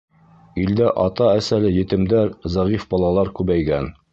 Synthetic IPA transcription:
ild̪æʔɑt̪ɑæsælɘjɘ̆t̪ɘ̆md̪æɾzɑʁifbɒlˠɑlˠɑɾkʉβæjɡæn

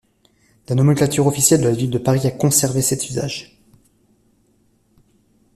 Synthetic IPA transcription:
lanɔmɛ̃klat̪yʁɔfisjɛld̪əlavild̪əpaʁiakɔ̃sɛʁvesɛt̪ʰyza̰ʒ

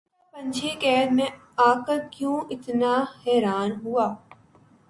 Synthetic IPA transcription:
pɐ̃ɲd͡ʒʱekɛːd̪mẽ | aːkəkjũːʔɪt̪nahɛːɾaːnɦuaː

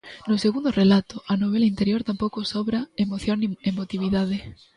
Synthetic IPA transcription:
noseɣund̪orelat̪oʔanoβ̞elaint̪eɾjoɾt̪ampowkosoβɾaemoθjoniemot̪iβ̞iðað̞e

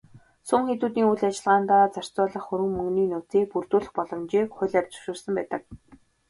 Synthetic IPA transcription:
sʊmxet̪uːt̪iːŋujɮat͡ɕɪ̆ɮʁaːnt̪aːt͡sar̥t͡sʊːɮə̆χːɵɾɘ̆ŋmɵŋɡniːnʊt͡siːpurt̪uːɮɘ̆χpɔɮɞ̆mt͡ɕiːkχʊɮæwʲt͡sɵ̥ʃuːrsə̆mpæːt̪ə̆k̚

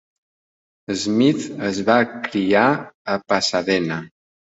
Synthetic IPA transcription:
əzmit̪əzβakɾiaəpasaðɛnə

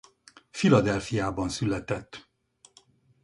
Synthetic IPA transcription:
filɒd̪ɛlfijaːbɒnsylɛt̪ɛt̪ː

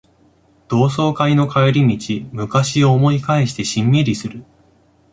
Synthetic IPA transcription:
d̪̥o̞ːs̬o̞ːkaino̞kʰaeɾʲimʲit͡ɕimɯ̟kaɕiomo̞ikaeɕi̥t̪e̞ɕĩmːeɾʲisɨɾɯ̟

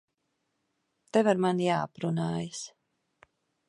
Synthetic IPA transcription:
t̪ɛvaɾmanjaːapɾunaːjas

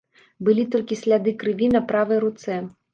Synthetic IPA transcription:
bɨlʲit̪ɔlʲkʲisʲlʲad̪ɨkɾɨvʲinɐpɾavɨjɾut̪sɛ

